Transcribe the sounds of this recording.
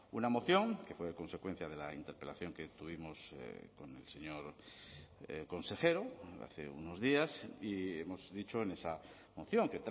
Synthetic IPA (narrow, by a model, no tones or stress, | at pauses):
unamo̞θjo̞ŋke̞fwe̞ko̞nse̞kwe̞n̟θjað̞e̞laint̪eɾpe̞laθjo̞ŋket̪uβ̞imosko̞ne̞̰lseɲo̞ɾ | ko̞nse̞xe̞ɾoa̰θḛṵnozðiasiemo̞zðit͡ʃo̞ene̞sa | mo̞θjo̞ŋket̪